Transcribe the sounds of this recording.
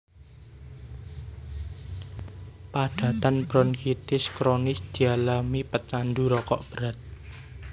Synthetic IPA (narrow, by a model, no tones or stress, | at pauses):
paɖ̥ä̤t̪anb̥ɾɔnkit̪ɪskɾonɪsd̪̥i̤alamipət͡ʃanduɾɔkɔʔb̥əɾat̪̚